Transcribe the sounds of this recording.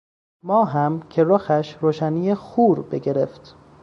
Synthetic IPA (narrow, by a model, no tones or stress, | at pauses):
mɒːɦæmcʰe̞ɾoːxæʃɾoːʃænijexuːɾbeɟe̞ɾeft̪